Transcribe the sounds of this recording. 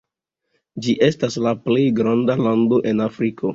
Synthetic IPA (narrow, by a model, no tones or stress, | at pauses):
d͡ʒiʔe̞staslaple̞jɡɾandalando̞ʔe̞nafɾikʰo̞